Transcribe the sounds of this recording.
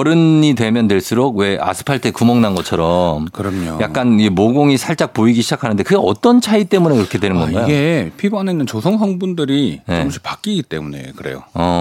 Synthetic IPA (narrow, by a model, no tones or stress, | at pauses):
ʌɾɯnɲidwe̞mjʌndwe̞ɭs͈uɾoɡ̚we̞ʔa̰sʰɯ̥pʰaɭtʰɯekumʌŋnanɡʌt͡ɕʰʌɾʌmkɯɾʌmɲo̰ja̰k̚k͈animoɡoŋisʰaɭt͡ɕ͈ak̚poiɡiɕʰid͡ʑakʰanɯnde̞kɯɡeʌt͈ʌnt͡ɕʰait͈e̞mune̞iɾʌkʰe̞dwe̞nɯnɡʌnɡajjoɡepʰibʌneinːɯnt͡ɕosʰʌŋsʰʌŋbundɯɾine̞ʌmɕʰi̥pak͈iɡit͈e̞̰mune̞̰kɯɾe̞̰jo̰ʌ